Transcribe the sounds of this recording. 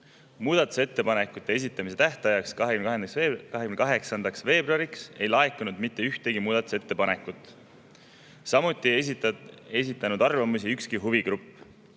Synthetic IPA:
muːd̪̥ɑt̪ːˑu̥se̞t̪ːe̞pɑnekːut̪ːˑe̞es̬it̪ːˑɑmise̞t̪æht̪ɑjɑksɑɦeymnend̪kɑɦekymnkɑɦe̞ksɑnd̪ɑksve̞ːbroɑɾikse̞jlɑekːunud̪mit̪ːeyht̪e̞ɡimuːd̪̥ɑt̪u̥se̞t̪ːe̞pɑne̞kːˑut̪ːˑ | sɑmut̪ːˑi | e̞s̬it̪ːˑɑnud̪̥ɑrvɑmusiykskiɦuviɡ̥rupː

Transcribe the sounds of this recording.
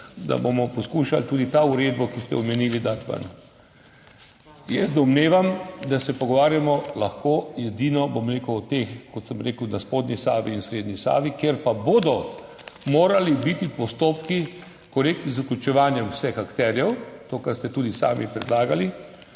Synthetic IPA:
d̪a̰bomɔpɔskuːʃa̰lt̪uːd̪it̪auɾed̪bɔkist̪ɛ̰ɔmɛniːlid̪aɾt̪ba̰n | jɛsd̪ɔmneːʋamd̪asɛpɔɡɔʋaːɾjamɔlaxkoːjɛd̪iːnɔbomɾeːkuwɔt̪eːxkɔt̪səmɾeːkwnaspoːd̪nʲisaːʋiːnsɾeːd̪nisa̰ːʋikjeɾpaboːd̪ɔ | moːɾalibit̪ipɔst̪oːpki | kɔɾeːk̚t̪nizuklʲut͡ʃɛʋaːnjɛmwsɛxakt̪ɛɾjɛwt̪oːkaɾst̪ɛt̪uːd̪isa̰ːmipɾɛd̪laːɡali

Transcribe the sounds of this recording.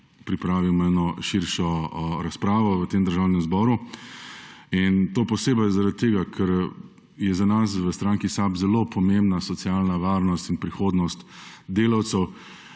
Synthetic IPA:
pɾipɾaːʋiwmɔɛːnɔʃiɾʃɔɾaspɾaːʋɔʋət̪emd̪əɾʒawnɛmzbɔːɾu | int̪oːpɔseːbazaɾat̪̚t̪ːeːɡakʰɛɾ | jɛzanas̬ʋəst̪ɾaŋkisabzɛloːpʰɔmẽmbnasɔt̪sjaːlnaʋaːɾnɔst̪inpɾixoːd̪nɔst̪d̪eːlawt̪sɛw

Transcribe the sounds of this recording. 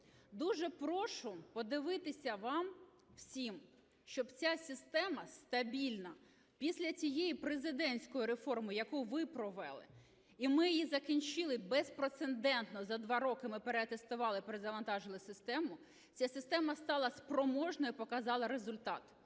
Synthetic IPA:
d̪uʒɛpɾɔʃʊpɔd̪ɪʋɪt̪ɪsʲɐʋɑm | w̥sʲim | ʃt͡ʃɔbt͡sʲasʲɪst̪ɛmɐst̪ɐbʲilʲnɐ | pʲisʲlʲɐt͡sʲijejipɾezɪd̪ɛnʲsʲkɔjiɾefɔrmʊjɐkuʋɪpɾɔʋɛ̰lˠɪ̰ | imɪjijizɐkʲinʲt͡ʃɪlˠɪbɛspɾot̪send̪ɛnt̪nɔzɐd̪ʋɑɾɔkɪmɪpeɾeɐt̪est̪ʊʋɑlˠɪpɾɪzɐʋɐnt̪ɑʒɪlˠɪsɪst̪ɛmʊ | t͡sʲasʲɪst̪ɛmɐst̪ɑlˠɐspɾɔmɔʒnɔjipɔkɐzɑlˠɐɾezʊlʲt̪ɑt̪

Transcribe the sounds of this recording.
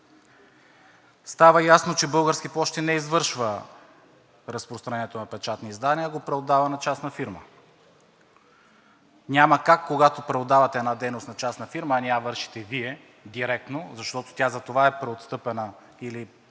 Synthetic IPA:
st̪avəjasnot͡ʃɛbɤlˠɡəɾskiplˠɔʃt̪ɛnɛizvɤɾʃvə | ɾɐspɾost̪ɾɐnɛɛt̪onɐpɛt͡ʃat̪niːzd̪aniəɡopɾɛod̪avənɐt͡ʃasnɐfiɾmə̰ | nʲaməkakːoɡat̪opɾɛod̪avɐt̪ɛɛnad̪ɛjnost̪nɐt͡ʃasnɐfiɾməːniavɤɾʃi̥t̪ɛviɛ | d̪iɾɛk̚t̪nozɐʃt̪ɔt̪o̥t̪jazɐt̪ovaɛpɾɛot̪st̪ɤpɛnə | ili

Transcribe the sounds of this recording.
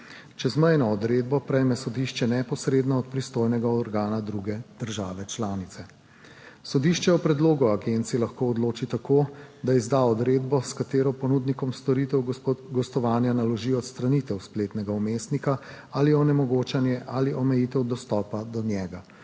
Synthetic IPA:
t͡ʃɛzməjnɔːd̪ɾeːd̪̚bɔpɾɛjmɛsɔd̪iːʃt͡ʃɛnɛpɔsɾeːd̪nɔɔt̪̚pɾist̪oːjnɛɡaɔɾɡaːnad̪ɾuɡɛd̪̥əɾʒaːʋɛt͡ʃlaːnit̪sɛ | sɔd̪iʃt͡ʃɛɔpɾɛd̪loːɡuaɡent̪silaxkoːɔd̪loːt͡ʃit̪akod̪aizd̪aɔd̪ɾeːd̪bɔskat̪eːɾɔpɔnud̪nikɔmst̪ɔɾit̪ɛwɡɔst̪ɔʋaːnjanalɔʒiɔt̪st̪ɾanit̪ɛwspleːt̪nɛɡaumeːst̪nika | aliɔnɛmɔɡoːt͡ʃanjɛʔaliʔɔmɛjit̪ɛwd̪ɔst̪ɔːpad̪ɔnjɛːɡa

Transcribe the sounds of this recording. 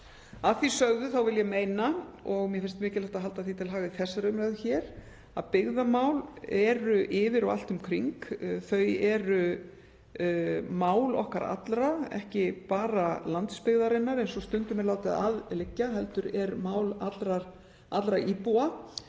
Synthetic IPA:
aðθisœɣðʏθawvɪljɛmeːjnaɔɣmjɛfɪɾnst̪mɪːcɪlaht̪aɦalt̪aθit̪ʰɪlɦaːɣɪθɛsːaɾʏmɾɛðʏçɛːɾ̥ | aðpɪɣðamaːwlɛɾʏʔɪːvɪɾawa̰l̥t̪ʏmkʰɾiŋkθœɥjɛɾʏ | maːwlɔ̰hkaɾa̰t̪lɾaɛ̰hcɪpaːɾalant̪spɪɣðaɾɪnːaɾɛnsɔst̪ʏnt̪ʏmɛɾlaːwt̪ɪða̰ðlɪcːaɦɛlt̪ʏɾɛɾmaːwlat̪lɾaɾ̥ | at̪lɾaʔiːpua

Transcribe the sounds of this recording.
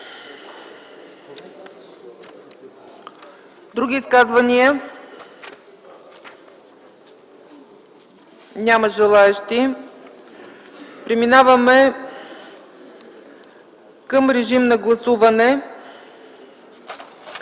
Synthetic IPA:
d̪ɾuɡ̟ʲiːskazvɐniə | nʲaməʒɛlˠaɛʃt̪i | pɾɛminavɐmɛ | kəmɾɛʒimnɐɡlˠɐsuvɐnɛ

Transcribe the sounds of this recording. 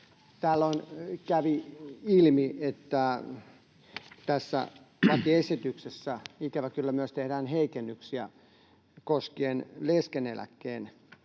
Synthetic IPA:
t̪ælːoinkæʋiilmiet̪ːæ | t̪æsːæ̰ | ʋɑt̪iesit̪yksesːæikæʋækylːæmyøst̪ehdæːnheikenːyksiæ | koskeeːnleskenelæ̰kːeːn

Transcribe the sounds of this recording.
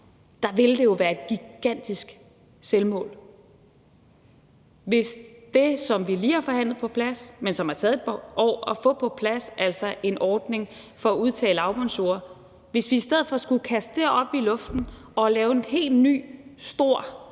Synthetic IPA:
d̥ɑ̈ʋe̝ld̥e̝jo̝ʋæːɐe̝d̥̚ɡ̥iɡ̥æn̰d̥isɡ̥ | selmɔ̰̽ːl | ʋe̝sd̥e̝sɒ̽mʋiliːhɑ̈fɒ̽hæn̰lð̩ˠpʰɒ̽pʰlæsmensɒ̽mhɑ̈t͡sʰɛːðˠedʔɒ̰ːɒfɔ̰̽ːpʰɒ̽pʰlæsæl̰sɒʔe̝nʔɒːd̥ne̝ŋ | fɒ̽æuð̞ˠt͡sʰɛ̰ːləɑ̈ʊb̥ɒnso̝̰ːɐ | ʋe̝sʋiːsd̥eð̰ˠfɒ̽sɡ̥ukʰæsd̥d̥e̝ɐɒ̽b̥ilɔ̽fd̥n̩ | ɒ̽lɛːʊe̝nɦe̝̰ːld̥ny̰ːsd̥o̝ɐ̰

